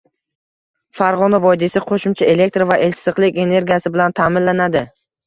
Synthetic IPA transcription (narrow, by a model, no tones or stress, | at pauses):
faɾʁɒnavɒjd̪isɪqʰoʃʊmt͡ʃʰae̞le̞k̚ʲt̪ɾavaʔe̞lsɨqlˠɪkʲe̞ne̞ɾɡʲijasɪbɪlant̪ʰaːmɪnlanad̪ɪ